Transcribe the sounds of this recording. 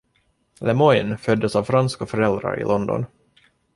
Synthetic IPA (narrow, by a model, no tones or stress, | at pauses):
lɛmɔʏnfœd̪ːəsɑvfɾanskafœɾɛld̪ɾa̰ɾɪ̰lɔnd̪ɔ̰n